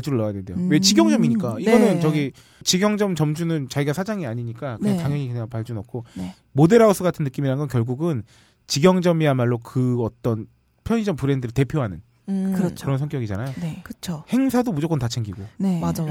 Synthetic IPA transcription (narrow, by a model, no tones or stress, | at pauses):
t͡ɕ͈uɾɯɭːaajadwendejowe̞t͡ɕiɡjʌŋd͡ʑʌmiɲik͈aiɡʌnɯnt͡ɕʌɡi | t͡ɕiɡjʌŋd͡ʑʌmt͡ɕʌmd͡ʑunɯnt͡ɕaɡiɡasʰad͡ʑaŋiaɲiɲik͈akɯetaŋjʌŋikɯɲaŋpaɭt͡ɕ͈unʌp̚k͈ʰo | mode̞ɾaosʰɯɡatʰɯnːɯk͈imiɾanɡʌnkjʌɭɡuɡɯn | t͡ɕiɡjʌŋd͡ʑʌmiamaɭːokɯʌt͈ʌn | pʰjʌɲid͡ʑʌmpɯɾe̞ndɯɾɯɭte̞pʰjoɦanɯn | kɯɾt͡ɕʰɯɾʌnsʰʌnk͈jʌɡid͡ʑanajjonekɯt͡ɕʰohe̞ŋsʰadomud͡ʑʌk͈ʌntat͡ɕʰe̞ŋɡiɡonemad͡ʑa